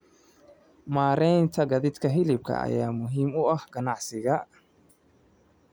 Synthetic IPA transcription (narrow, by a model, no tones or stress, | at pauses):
maːɾɛjnt̪ʰɐɡɐðɪd̪kʰɐɦɪlɪb̚kʰɐ̰ɐ̰jaːmʊɦiːmʊɐhɡɐnɑʕsɪɣɐ